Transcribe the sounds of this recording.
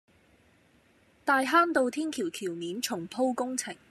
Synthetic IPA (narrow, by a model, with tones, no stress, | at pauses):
t̪aː˧jɦaː˥nt̪o˨˧wt̪ʰiː˥nkʰiː˨˩wkʰiː˨˩wmiː˨˥nt͡ʃʰʊ˨˩ŋpʰo˥wkʊ˥ŋt͡sʰɪ˨˩ŋ